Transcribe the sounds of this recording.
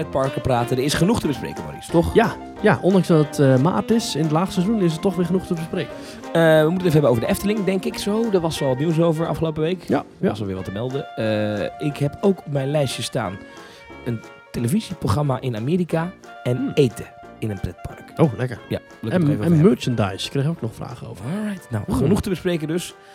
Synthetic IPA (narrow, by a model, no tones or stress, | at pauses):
pɛt̚pɑɹkəpraːtədəɪsχənuχtəbəsprḛjkəmo̰rḭstɔχja | jaʔɔndɑŋzdɑtətəma̰ːtɪsɪnətlaːt͡sstəsɛzunɪs̬ətɔχʋɪːɹχənuχtəbəsprejkə | əʋəmutənefəɛbənowvəɹdəɛftəlɪŋdɛŋkɪksowdəʋɑsɔlˠʋtniws̬owvəɹɑ̰fχəlowpəʋejkɑsɔlˠʋɪːɹʋɑtəmɛlˠdəəɪkɦɛpowkɔp̚mɛjnlɛjsjəsta̰ːn | ən | teləviziproχrɑmaʔɪnameːɾika | ɛnejtə | ɪnənprɛt̚pɑ̰ɹkolɛkəɹja̰ | lkkɛmøɹt͡ʃənda̰jskːrejowk̚nɔχfra̰ːχəo̰wvəna̰wənuχtəbəsprejkəndøs